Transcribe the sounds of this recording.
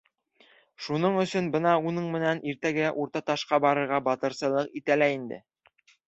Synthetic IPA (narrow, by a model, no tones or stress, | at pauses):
ʃunɤɴɵ̆sɵnbɤnɑunɤɴmɘ̆nænʔiɾt̪æɡɘæʔuɾt̪ɑt̪ɑʃqɑbɑɾɤ̆ɾʁɑbɑt̪ɤ̆ɾsɤ̆lˠɤqit̪ælæind̪ɘ̰